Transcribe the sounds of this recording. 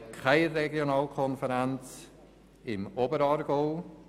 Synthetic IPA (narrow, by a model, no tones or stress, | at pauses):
kʰaɪrɛɡjonɑːlkʰɔnfəɾɛnt͡s | ɪmobəɾɑːɾɡ̥oʊ